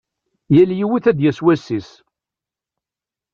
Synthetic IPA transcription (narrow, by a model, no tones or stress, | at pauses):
jæljiwiθæd̪jæswæsːis